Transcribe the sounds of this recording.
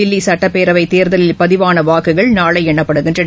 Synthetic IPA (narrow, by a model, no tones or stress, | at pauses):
ɪlːisɐʈːɐpːeːɾɐʋɐɪt̪eːɾðɐlɪlpɐðɪʋaːnɐʋaːkːɯɣɐɭnaːɭɐɪɛɳːɐpːɐɽɯɣɪndrɐɽ